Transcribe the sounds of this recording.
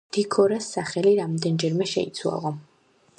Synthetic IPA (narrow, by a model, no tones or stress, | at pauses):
d̪̥ikʰɔɾasːaχɛliɾamd̪ɛnd͡ʒɛɾmɛʃɛ̰it̪sʰwa̰lˠɔ